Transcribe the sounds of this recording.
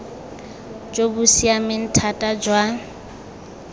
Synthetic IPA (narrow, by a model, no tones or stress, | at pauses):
d͡ʒobusiamɪn̩tʰatʼad͡ʒwa